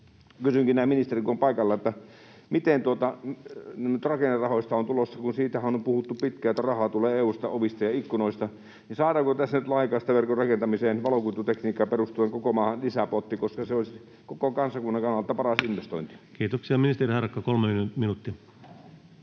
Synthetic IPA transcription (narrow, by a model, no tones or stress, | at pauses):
kysyŋkinæːminist̪erikompɑˑikɑlːɑet̪ːæ | mit̪ent̪uot̪ɑmnyt̪rɑkenːerrɑhoˑist̪ɑont̪ulosːɑkunsiːt̪æhæonompuhut̪ːupit̪kæˑjot̪ːærɑhɑːt̪uleːeːuːst̪ɑoʋist̪ɑjɑikːunoˑist̪ɑ | ninsɑːɾɑːŋkot̪æsːænyt̪lɑˑikˑɑːst̪æʋerkorrɑkent̪ɑmiseːnʋɑlokut̪ːut̪ekniːkːˑɑperust̪ueŋkokomɑːhɑnlisæpot̪ːikoskɑseols | kokokɑnsɑkunːɑŋkɑnːɑlt̪ːˑɑpɑrɑsinʋest̪o̰int̪i̥kiːt̪oksiɑminist̪erihɑrkːɑkolmeminut̪ːi